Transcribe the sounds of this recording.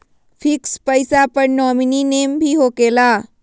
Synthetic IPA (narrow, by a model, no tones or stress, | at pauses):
fʰɪkspəjsapəɾnɔːmininembʱiɦokela